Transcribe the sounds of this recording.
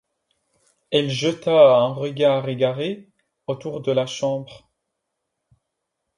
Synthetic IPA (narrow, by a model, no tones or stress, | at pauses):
ɛlʒət̪aɛ̃ʁəɡaʁeɡaʁe | ot̪uʁd̪əlaʃɑ̃bʁ